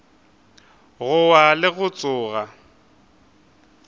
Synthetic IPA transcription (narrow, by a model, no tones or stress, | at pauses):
ɣʊwalɪɣʊt͡sʼʊːɣa